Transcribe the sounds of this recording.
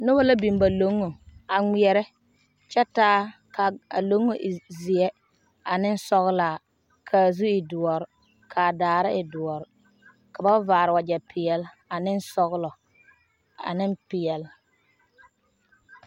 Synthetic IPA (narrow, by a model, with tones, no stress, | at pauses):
nʊ˦ba˦la˦bi˨m˦ba˨lo˨˦ŋːo˨a˨ŋi˨ɛ˨ɾɛ˦ | t͡ʃɛ˦taː˦ka˨a̰˨lo˦ŋːo˨ʔzi˨ɛ˦ | a˨nɪ˦n˦sɔ˦ɣlaː˨ | kʰa˨zu˦ɪ˨dʊ˨ɔ˨ɾ | kʰa˨daː˨ɾɪ˦ʔɪ˨dʊ˨ɔ˨ɾɪ˨ | ka˨ba˦vaː˨ɾɪ˨wa˨d͡ʒɛ˨pɪ˨ɛ˨l | a˨nɪ˦n˦sɔ˦ɣlɔ˨ | a̰˨nɪ˦npɪ˨ɛ˨l